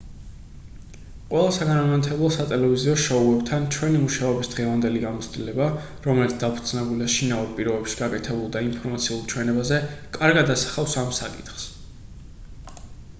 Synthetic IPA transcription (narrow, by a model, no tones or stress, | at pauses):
qʼwɛlˠasaɡanamat̪ʰɛblˠɔsat̪ʼɛlɛviziɔʃɔuɛbt̪ʰant͡ʃʰwɛnimuʃaɔbisd̪ʁɛvand̪ɛliɡamɔt̪st̪ʼilɛba | ɾɔmɛlit̪sd̪apʰu̥ɾd̪z̥nɛbuliaʃinavɛpʼiɾɔbɛpʃi̥ɡakʼɛt̪ʰɛbulˠd̪aimpʰɔɾmat̪sʰiulˠt͡ʃʰwɛnɛbazɛkʼaɾɡad̪asḁχafsamsa̰kʼit̪χs